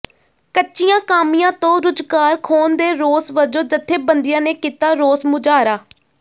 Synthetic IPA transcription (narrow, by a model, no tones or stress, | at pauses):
kət͡ʃɪjãːkaːmɪjãːt̪õːɾʊd͡ʒɡaːɾkʰoːnd̪eːɾoːsʋəd͡ʒõːd͡ʒət̪ʰːeːbənd̪ɪjãːneːkiːt̪aːɾoːsmʊd͡ʒaːɾaː